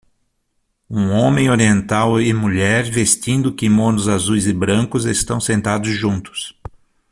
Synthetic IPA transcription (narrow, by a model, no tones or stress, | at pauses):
ũõmẽj̃oɾiẽnt̪awɪmuʎɛɾvest̪ĩnd̪ʊkɪmõnʊzazujzɪbɾɐ̃ŋkʊzest̪ɐ̃w̃sẽnt̪ad̪ʊzʒũnt̪ʊ̥s